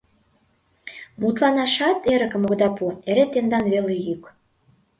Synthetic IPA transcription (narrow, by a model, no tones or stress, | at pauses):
mut̪lɑnɑʃɑt̪eɾə̆kə̆moɣd̪ɑpueɾet̪end̪ɑnβelejyk